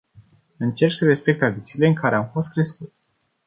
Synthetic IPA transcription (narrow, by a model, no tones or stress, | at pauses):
ɨnt͡ʃe̞ɾksəɾe̞spek̚t̪ɾad̪it̪siːle̞ɨŋkaɾe̞amfo̞st̪̚kɾe̞skut̪e̥